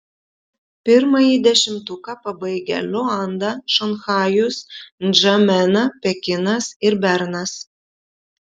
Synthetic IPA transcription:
pʲɪɾmɐjiːd̪ʲɛʃʲɪmt̪ʊkɑpɐbɐɪɡʲɛ̰lʲɔɑnd̪ɐʃɐnxɑːjʊsnd͡ʒɐmʲɛnɐpʲɛkʲɪnɐsɪɾbʲɛɾnɐs

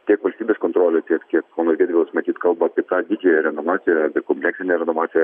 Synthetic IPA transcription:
t̪ʲiɛkʋɐlʲsʲt̪ʲiːbʲeːskont̪ɾoːlʲɛt̪ʲiɛkt̪ʲiɛkoːnosʲɡʲɛːd̪ʲʋʲɪlˠsmɐt̪ʲiːt̪kɐlˠbɐɐpʲiɛt̪ɑːd̪ʲɪd͡ʒʲɛjɛɾʲɛnoʋɑːt̪sʲɪjɛɐpʲɛkɔmʲplʲɛksʲɪnʲɛɾʲɛnoːʋɑːtsʲɪjɛ

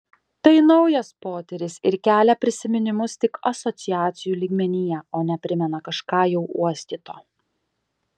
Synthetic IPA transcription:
t̪ɐɪnɒʊjɐspoːt̪ʲɛɾʲɪsɪɾkʲæːlʲɛpʲɾʲɪsʲɪmʲɪnʲɪmʊst̪ʲɪkɐsɔt̪sʲɪjæːt̪sʲɪjuːlʲiːɡmʲɛnʲɪjɛoːnʲɛpʲɾʲɪmʲɛnɐkɐʃkɑːjɛʊʔuɔsʲt̪ʲit̪oː

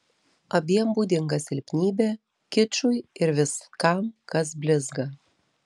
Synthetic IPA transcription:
ɐbʲiɛmbuːd̪ʲɪŋɡɐsʲɪlʲpʲnʲiːbʲeː | kʲɪt͡ʃʊɪɪɾʋʲɪskɐmkɐs̬bʲlʲɪzɡɐ

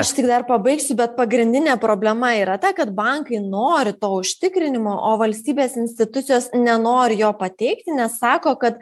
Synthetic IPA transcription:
ɐʃt̪ʲɪɡd̪ɐrpɐbɐɪksʲʊbʲɛt̪̚pɐɡɾʲɪnʲd̪ʲɪnʲeːpɾoːbʲlʲɛmɐiːɾɐt̪ɐkɐt̪bɐŋkɐɪnoːɾʲɪt̪oːʊʃʲt̪ʲɪkɾʲɪnʲɪmoːʔoːʋɐlʲsʲt̪ʲiːbʲeːsɪnʲsʲt̪ʲɪt̪ʊt̪sʲɪjoːsnʲɛnoːɾʲɪjoːpɐt̪ʲɛɪkt̪ʲɪnʲɛsːɑːkoːkɐt̪

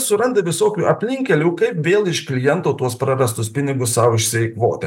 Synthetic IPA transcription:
sʊɾɐnd̪ɐʋʲɪsoːkʲuːʔɐpʲlʲɪŋʲkʲɛlʲuːkɐɪpʋʲeːlˠɪʃklʲɪjɛnt̪oːt̪uɔspɾɐɾɐst̪ʊspʲɪnʲɪɡʊssɑʋɪʃʲsʲɛjkʋo̰ːt̪ʲɛ

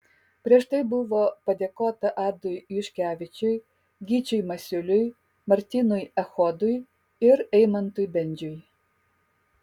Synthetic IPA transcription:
pʲɾʲiɛʃt̪ɐɪbʊʋopɐd̪ʲeːkoːt̪ɐʔɑːd̪ʊjyʃʲkʲæːʋʲɪt͡ʃʲʊj | ɡʲit͡ʃʲʊjmɐsʲʊlʲʊj | mɐɾʲt̪ʲinʊjɐxoːd̪ʊj | ɪɾɛjmɐnt̪ʊjbʲɛnʲd͡ʒʲʊj

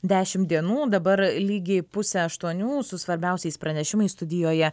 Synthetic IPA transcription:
d̪ʲæːʃʲɪmd̪ʲiɛnuːd̪ɐbɐɾlʲiːɡʲeːpʊsʲɛɐʃt̪uɔnʲuːsʊsʋɐɾʲbʲɛˑʊsʲɛɪspɾɐnʲɛʃʲɪmɐɪst̪ʊd̪ʲɪjoːjɛ

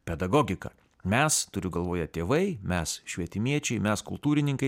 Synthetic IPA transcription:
pʲɛd̪ɐɡɔːɡʲɪkɐ̰ | mʲɛst̪ʊɾʲʊɡɐlˠʋoːjɛt̪ʲeːʋɐɪmʲɛsʃʲʋʲiɛt̪ʲɪmʲiɛt͡ʃʲɛɪmʲɛskʊ̰lˠt̪uːɾʲɪnʲɪŋkɐɪ

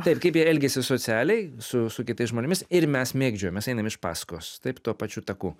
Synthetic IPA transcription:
t̪ɐɪpkɐɪpjiɛlʲɡʲesʲɪsoːsʲæːlʲɛɪsʊsʊkʲɪt̪ɐɪsʒmoːnʲɪmʲɪsɪɾmʲɛsmʲeːɡd͡ʒʲoːjomʲɛsɐɪnɐmɪʃpɑ̰ːskoːst̪ɐɪpt̪uɔpɑt͡ʃʲuːt̪ɐkuː

